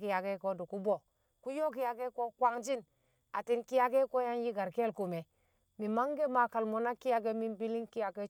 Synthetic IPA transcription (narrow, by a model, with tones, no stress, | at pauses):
ki˨ja˨ɡe˦ko˦du˨ku˦bo˨ | ku˦jo˦ki˦ja˨ɡe˦ko˦kwa˦ŋd͡ʒi˦n | a˨ti˦nki˦ja˦ke˦ko˦ja˦nji˦ɡa˨ɾke˦lku˨me˨ | mi˨ma˦ŋɡe˦ma˨ka˨lmo˨na˦ki˦ja˦ɡe˦mi˦nbi˦li˦nki˦ja˨ke˦